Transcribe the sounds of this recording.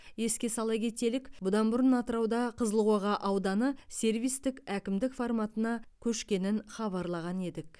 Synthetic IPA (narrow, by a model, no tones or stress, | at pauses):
je̞skʲe̞sɑlˠɑjɡʲe̞t̪e̞lɪkbʊd̪ɑnbʊɾənɑt̪əɾɑwd̪ɑqʰəzəlˠʁwɑʁɑʔɑwd̪ɑnəse̞ɾvijst̪ɪkækʲɪmd̪ɪkformɑt̪ənɑkʲʰɵʃkʲe̞nɪnχɑβɑɾlˠɑʁɑne̞d̪ɪk̚